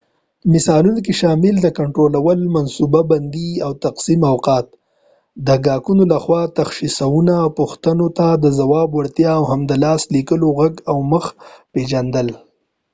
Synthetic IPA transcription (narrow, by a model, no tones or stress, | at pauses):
mɪsɑlunokiʃɑmɪld̪əkaɳʈɾolawəlmansubaband̪iawt̪aqsimawqɑt̪̚ | d̪əɡɑkunolaxwɑt̪axʃisawunapʊxt̪ənot̪ad̪əzawɑbwaɽt̪jɑːwɦamd̪əlɑslikəloɣaɡawməxped͡ʒand̪əl